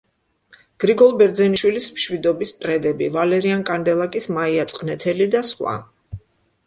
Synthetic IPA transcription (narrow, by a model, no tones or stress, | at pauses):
ɡ̥ɾiɡɔlˠbɛɾd̪zɛniʃwilismʃwid̪ɔbist̪ʼɾɛd̪ɛbḭvalɛɾiankʼand̪ɛlˠakʼismaiat̪sʼqʼnɛt̪ʰɛlid̪asχwa̰